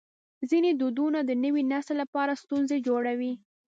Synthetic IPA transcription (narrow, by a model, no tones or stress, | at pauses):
zined̪ud̪unad̪ənəwinaslːapɑɾast̪unzed͡ʒoɽawi